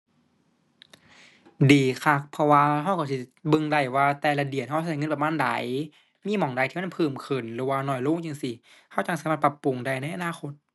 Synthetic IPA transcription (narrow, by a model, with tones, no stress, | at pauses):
diː˨˩kʰa˧˩k̚pʰɔ˧waː˧ɦa˧˩wka˧˩si˧˩˨bɯ˧ŋda˧˩jwaː˧t̪ɛː˧˩la˧di˨˩ən̚ɦa˧˨˧ŋ˧˨pa˧maː˧˥˨nda̰˨˦j | miː˧˥˨mɔ˨˩˦ŋda˧˩jt̪ʰiː˧˨ma˧˥˨npʰɯː˧˩mkʰɯ˨˩nlɯː˨˦waː˧nɔː˧˩jluː˧˥˨ŋt͡ɕi˧˩ŋsi˧˩ | ha˧˩wt͡ɕa˧˩ŋsaː˨˦maː˧˩t̪pa˧pːu˨˩ŋda˧˩jna˧˥˨jʔa˧˨naː˧˨xʰo˧˦t̪̚